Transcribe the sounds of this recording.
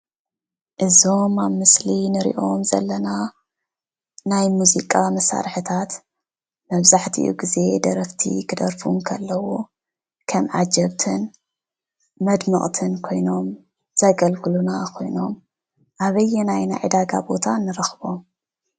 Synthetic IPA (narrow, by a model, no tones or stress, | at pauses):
ʔɨzo̞mamɨslinɨɾḭʔo̞mzɐ̰lːɐna | najmuzikʼamɐsa̰ɾħɨt̪ʰat̪ | mɐβzaħt̪ʰḭʔṵɡize̞d̪ɐɾɐft̪ʰḭkʰɨd̪ɐɾfumkʰɐlːɐwu | kʰɐmʕa̰d͡ʒɐβt̪ʰɨn | mɐd̪mɨχʼt̪ʰɨnkʰo̞jno̞m | z̥ɐɡɐlkɨlunakʰo̞̰jno̞m | ʔaβɐjːɛnajna̰jʕɨd̪aɡa̰bo̞t̪ʰanːɨɾɐxβo̞m